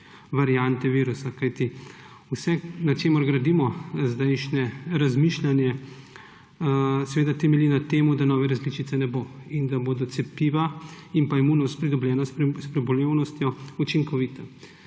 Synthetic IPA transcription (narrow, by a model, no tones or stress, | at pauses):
ʋaɾjant̪ɛʋiːɾusakajt̪i | usɛknat͡ʃeːmɔɾɡɾad̪iːmɔzd̪ɛjʃnɛɾazmiʃlʲanjɛ | sɛʋeːd̪at̪ɛmɛlinat̪eːmud̪anɔːʋɛɾazlit͡ʃit̪sɛnɛboind̪aboːd̪ɔt̪sɛpiːʋaimpaimunɔst̪̚pɾid̪ɔblʲjɛːnasspɾɛbɔljewnɔst̪jɔut͡ʃiŋkɔʋit̪a